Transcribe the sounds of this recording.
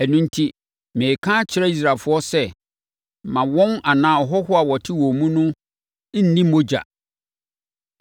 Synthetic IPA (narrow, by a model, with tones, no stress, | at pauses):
æ˨nũ˦n̩˦tʰi˦ | mẽː˨kʰãː˦t͡ɕʰɪ˦ɾa˦i˦s̬ɾaː˨fʊ˦ɔ˦sɛ˦˨ | mã˨wɔ̃˦na˨nãː˨˦˨ɔ˨ɦɔ˦ɦʊ˦a˨wɔ˨tʰɪ˦wɔ̃˨mũ˦nʊ̃˦ | n̩˦nĩ˦mõ˦d͡ʑa̰˨